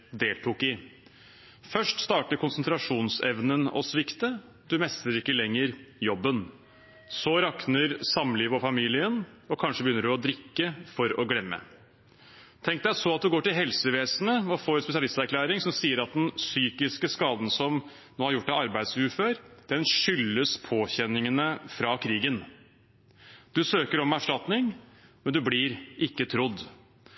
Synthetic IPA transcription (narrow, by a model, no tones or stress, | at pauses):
d̪eːlt̪ʰuːkɪ | fœʂʈst̪ɑːʈəɾkʰʊnsənt̪ʰɾɑʂuːnsɛʋnənɔ̰sʋɪkt̪ə | d̪ʉmɛst̪əɾɪkːəlɛŋːəɾjɔbːən | sɔɾɑknəɾsɑmːliːʋɔfɑmiːlɪənɔkʰɑnʂəbəjʏnːəɖʉɔd̪ɾɪkːəfɔɾɔɡlɛmːə̰ | t̪ʰɛŋkt̚d̪æsɔɑt̪̚d̪ʉɡoːʈɪlɦɛlsəʋeːsnəɔfoːɾɛnspɛsɪɑlɪst̪æɾkʰlæːɾɪŋsɔmsiːəɾɑt̪̚d̪ɛnsyːkɪskəskɑːd̪n̩sɔm | noːhɑɾjʊʈːɑɑɾbæɪd̪sʉːføːɾd̪̥ɛnʂʏlːəspʰoːçɛnːɪŋənəfɾɑkʰɾiːɡən | d̪̥ʉsøːkəɾɔmæʂʈɑt̪nɪŋmɛnd̪ʉblɪɾʔɪkːət̪ʰɾʊd̪